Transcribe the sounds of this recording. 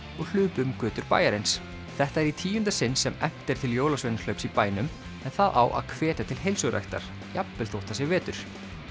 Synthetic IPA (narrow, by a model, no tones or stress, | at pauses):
ɔɣl̥ʏːpʏmkʏːt̪ʏɾpa̰ːjaɾejns | θɛht̪aɛɾit̪ʰiːjʏnt̪asɪnːsːɛmɛm̥t̪ɛɾ̥t̪ʰɪljoːwlasvejnlœɥpsipaːjnʏm | ɛnθaðʔa̰wʔa̰ðkʰv̥ɛːt̪at̪ʰɪlɦejlsʏɣɾɛ̰jxt̪a̰ɾ̥ | japːɛlθowht̪asjɛɣvɛːt̪ʏɾ̥